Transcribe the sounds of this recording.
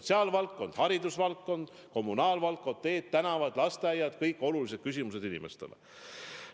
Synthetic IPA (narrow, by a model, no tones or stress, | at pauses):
t̪siɑːlvɑlkːo̞nd̪̥hɑɾid̪usvɑlkːo̞nd̪̥ | ko̞mːunɑːlvɑlkːˑot̪ːe̞ːt̪ːænɑvɑd̪̥lɑst̪eɑjɑd̪̥kɤjkːˑo̞lulised̪̥kys̬ʲimuse̞d̪inḭme̞̰st̪e̞̰lḛ